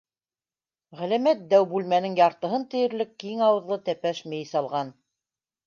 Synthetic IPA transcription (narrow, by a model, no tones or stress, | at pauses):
ʁælæmæt̪̚d̪æwbʉlmænɘŋjɑɾt̪ɤ̆ɦɤnt̪ɘ̆jɘ̆ɾlɘkːiŋɑwɤ̆ðlˠɤt̪æpæʃmɘjsɑlˠʁɑn